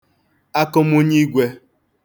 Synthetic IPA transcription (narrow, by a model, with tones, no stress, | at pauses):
a˦kʊ˦m̩˦u˦ɲi˦ɡʷe˦